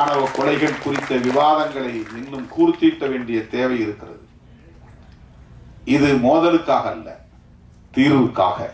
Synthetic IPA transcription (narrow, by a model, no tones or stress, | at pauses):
ɳɐʋɐkːɔlɐɪɣɐɭkʊrɪt̪ːɐʋɪʋaːðɐŋɡɐɭɐɪmɪnːɯmkuːrɯt̪ːiːʈːɐʋeːɳɖɪjɐt̪eːʋɐjɪɾɯkːɪrɐ̰ðɯ | ɪðɯmoːðɐlɯkːaːɣɐɐlːɐ̰ | t̪iːɾʋɯkːa̰ːɣɐ̰